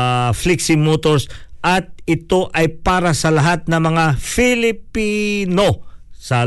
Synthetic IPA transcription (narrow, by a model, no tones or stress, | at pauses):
fliksɪmot̪oɹsʔɐt̪̚ɪt̪o̞ʔɐjpaːɾɐsɐlɐɦat̪̚nɐŋmɐŋafɪlɪpino̞sɐ